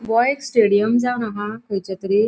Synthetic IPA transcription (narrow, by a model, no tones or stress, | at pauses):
bɔjeksʈeɽijəmd͡zaʋnaɦãkʰəjt͡ɕat̪əɾi